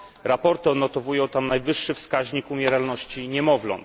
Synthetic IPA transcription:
ɾapɔɾt̪ɘɔd̪nɔt̪ɔvujɔ̃w̃t̪amnajvɘʂːɘfskaʑɲikumʲjɛɾalnɔɕt͡ɕiɲɛmɔvlɔ̰nt̪

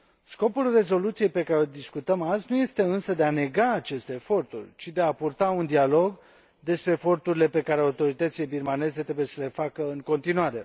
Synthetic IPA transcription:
sko̞pulre̞zo̞lut̪sije̞jpe̞kaɾeod̪iskut̪əmaznuje̞st̪e̞ɨnsəd̪e̞ane̞ɡaːt͡ʃe̞st̪e̞ːfo̞rt̪ṵrʲt͡ʃid̪e̞apurt̪aund̪ialo̞ɡ | d̪e̞spɾe̞ːfo̞rt̪uɾile̞pe̞kaɾeawt̪o̞ɾit̪ət̪sile̞birmane̞ze̞t̪ɾebuje̞səle̞fakəɨŋko̞nt̪inuaɾe̞

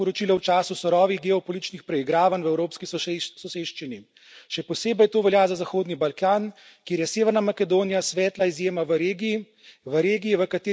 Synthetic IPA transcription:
ɔɾɔt͡ʃilɔwt͡ʃaːsusɔɾɔːʋiɣɡɛɔpɔlit̪it͡ʃnixpɾɛiɡɾaːʋanwɛwɾoːpskisɔseʃt͡ʃini | ʃɛpɔseːbɛjt̪oːʋɛljazazaxoːd̪nibalkaːn | keːɾjɛseːʋɛɾnamakɛd̪oːnijasʋɛːt̪laizjeːmaʋəɾeːɡii | ʋəɾeːɡijiʋəkat̪e

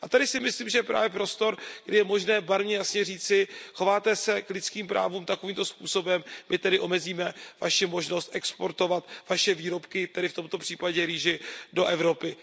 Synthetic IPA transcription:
ʔat̪adɪsɪmɪsliːmʒɛjɛpɾa̰ːvjɛpɾo̞st̪o̞ɾɡ̥dɪjɛmo̞ʒnɛːbaɾmɲɛjasɲɛriːt͡sɪxo̞vaːt̪ɛsɛklɪt͡skiːmpɾʔa̰ːvuːmt̪ako̞viːmt̪o̞spṵːso̞bɛmmʔɪt̪ɛdɪʔo̞mɛziːmɛvaʃɪmo̞ʒno̞st̪ʔɛkspo̞ɾt̪o̞vat̪vaʃɛviːɾo̞pkɪt̪ɛdɪft̪o̞mt̪o̞pr̥iːpaɟɛɾiːʒɪdo̞ʔɛvɾo̞pɪ

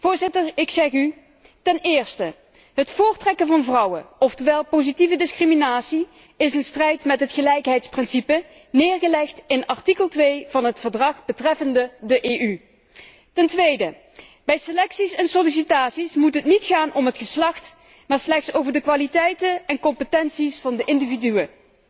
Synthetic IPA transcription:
v̥ʊːɹzɪtəɹɪksɛχy | tɛnɪːɹstə | ɦətfʊːɹtrɛkənvɑnvrʌwəɔftəʋɛlˠpowzitivədɪskriminaːtsi | ɪsənstrɛjtmɛtɦətxəlɛjkɦɛjtsprɪnsipə | nɪːɹɣəlɛxtɪnɑɹtikəlˠtʋejvɑnɦətfəɹdrɑχb̥ətrɛfəndədəʔeːʔy | tɛntʋejdə | bɛjselɛksisɛnsolis̬itaːtsismutɦətnitxaːnʔɔmɦətxəslɑxt | maːɹslɛxtsowvəɹdəkʋaːlitɛjtənɛnkɔmpətɛnsisfɑndəʔɪndividyə

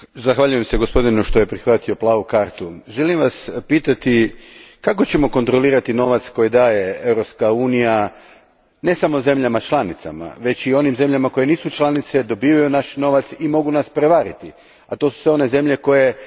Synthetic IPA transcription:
zaxʋaʎuje̞mse̞ɡo̞spo̞d̪inuʃt̪o̞je̞pɾixʋat̪io̞plˠaːʋukaɾt̪uʒe̞limʋaspiːt̪at̪ikako̞t͡ɕe̞mo̞ko̞nt̪ɾo̞liːɾat̪ino̞ʋat̪sko̞jid̪aːje̞e̞ʋɾo̞pskauːnija | ne̞samo̞ze̞mʎamat͡ʃlˠanit̪sa̰ma̰ʋe̞t͡ɕio̞nimze̞mʎamakoje̞niːsut͡ʃlˠanit̪se̞d̪o̞biːʋajunaʃno̞ʋat̪simo̞ɡunaspɾe̞ʋaɾit̪i | at̪o̞su̥sʋe̞o̞ne̞ze̞mʎe̞ko̞je̞

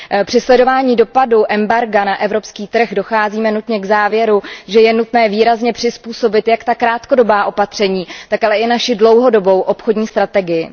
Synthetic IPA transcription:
pr̝̥ɪslɛdo̞vaːɲiːdo̞paduʔɛmbaɾɡanaʔɛvɾo̞pskiːt̪r̩ɣdo̞xaːziːmɛnut̪ɲɛɡzaːvjɛɾuʒɛjɛnut̪nɛːviːɾazɲɛpr̥ɪspuːso̞bɪt̪jakt̪akɾaːt̪ko̞do̞baːʔo̞pat̪r̝̥ɛɲiːt̪akalɛʔɪnaʃɪdlo̞wɦo̞do̞bo̞wʔo̞pxodɲiːst̪ɾat̪ɛɡɪjɪ

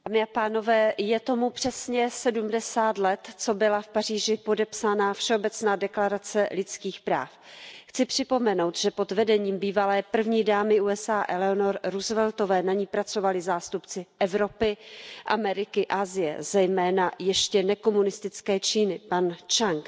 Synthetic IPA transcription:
daːmɪapaːno̞vɛːjɛt̪o̞mupr̥ɛsɲɛsɛdumdɛsaːt̪lɛt̪t͡so̞bɪlafpariːʒɪpo̞dɛpsanafʃɛo̞bɛt͡snaːdɛklaɾat͡sɛlɪt͡skiːxpɾa̰ːfxt͡sɪpr̝̥ɪpo̞mɛno̞wt̪ʒ̥ɛpo̞d̪vɛdɛɲiːmbiːvalɛːpr̩vɲiːdaːmɪʔuːɛsaːʔɛlɛonoɾɾuzvɛlt̪o̞vɛːnaɲiːpɾat͡so̞valɪzaːst̪upt͡sɪʔɛvɾo̞pɪʔamɛɾɪkɪʔaːzɪjɛ̰zɛjmɛːnajɛʃcɛnɛko̞munɪst̪ɪt͡skɛːt͡ʃiːnɪpant͡ʃaŋk

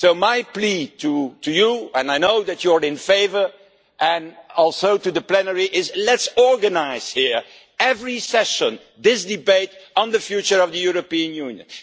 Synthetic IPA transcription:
soʊmaɪplitʰutujuɛ̃naɪnoʊðɨt͡ʃəɹɪ̃nfeɪvə˞ | ʔɨ̃nɔlˠsoʊtuðəplɛnəɹiʔɪzlɛtsɔɹɡənaɪz̥hiɹ | ɛvɹisɛʃə̃n | d̪ɪsdɨbeɪɾn̩ðəfjut͡ʃə˞ʌvðəjuɹəpiɨ̃njũnjə̰̃n

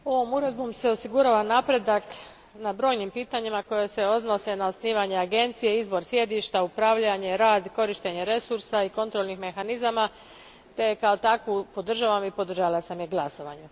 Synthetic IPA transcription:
o̞ʋo̞muɾe̞d̪̚bo̞mse̞o̞siɡuɾaːʋanapɾe̞d̪ak | nabɾo̞ːjnimpiːt̪aɲimako̞je̞se̞o̞znose̞naosniːʋaɲe̞aɡe̞nt̪sije̞izbo̞ɾsje̞d̪iʃt̪aupɾaʋʎaɲe̞ɾaːd̪ko̞ɾiʃt̪e̞ɲe̞ɾe̞suɾsaiko̞nt̪ɾo̞lnixme̞xanizama | t̪e̞kao̞t̪akʋupo̞d̪r̩ʒaʋamipo̞d̪r̩ʒalˠasamjeɡlˠaso̞ʋa̰ɲu

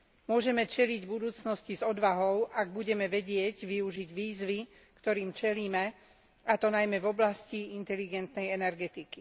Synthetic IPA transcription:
mʊɔʒɛmɛt͡ʃɛliɟbud̪uːt͡snɔscizɔd̪ʋaɦɔʊʔaɡ̚buɟɛmɛʋɛɟɪɛɟʋiuʒiɟʋiːzʋi | kt̪ɔɾiːmt͡ʃɛliːmɛ | at̪ɔnajmɛvɔblasciint̪ɛliɡɛnt̪nɛjɛnɛɾɡɛt̪iki̥

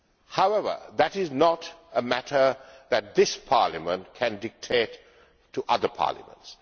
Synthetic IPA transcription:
haʊɛʋə̰d̪ætɪznɔtəmætʰəðæt̚d̪ɪspʰaːləmə̃ntkʰæ̃ndɪk̚tʰeːt | tːuʔʌd̪əpʰɑ̰ːlɪ̰mə̰̃nts

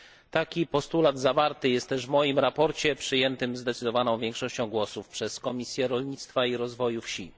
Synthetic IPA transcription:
t̪akʲipɔst̪ulad̪zavaɾt̪ɘjɛst̪ːɛʐvmɔjimɾapɔɾt͡ɕɛpʂɘjɛnt̪ɘmzd̪ɛt̪sɘd̪ɔvanɔ̃w̃vʲjɛŋkʂɔɕt͡ɕɔ̃w̃ɡwɔsufpʂɛskɔmʲisʲjɛɾɔlɲit̪st̪faiɾɔzvɔjufɕi

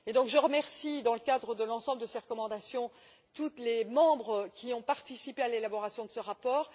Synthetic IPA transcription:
ed̪ɔ̃kʒəʁəmɛʁsid̪ɑ̃ləkad̪ʁəd̪əlɑ̃sɑ̃bləd̪əseʁəkɔmɑ̃d̪asjɔ̃ | t̪ut̪lemɑ̃bʁəkʲiɔ̃paʁt̪isipealelabɔʁasjɔ̃d̪əsəʁapɔːʁ

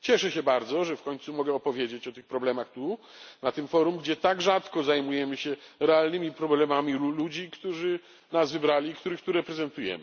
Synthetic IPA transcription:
t͡ɕɛʂɛɕɛbaɾd̪zɔʐɛfkɔɲt̪sumɔɡɛɔpɔvʲjed͡ʑet͡ɕɔt̪ɘxpɾɔblɛmaxt̪u | nat̪ɘmfɔɾumɡd͡ʑɛt̪aɡʐat̪kɔzajmujɛmɘɕɛɾɛalnɘmʲipɾɔblɛmamʲiulud͡ʑikt̪uʐɘ | nasvɘbɾalʲiːkt̪uɾɘxt̪uɾɛpɾɛzɛnt̪ujɛ̰mɘ

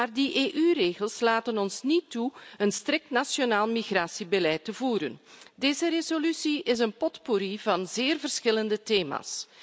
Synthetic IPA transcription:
aːrdiʔeːʔyreːɣəlˠslaːtənɔnsnituənstɾɪk̚tnasjonaːlˠmiɣraːsibəlɛjtəvuːɾəndeːzəɾezolysiɪs̬ənpɔtpoɾivɑnzeːrvərsxɪləndəteːma̰ːs

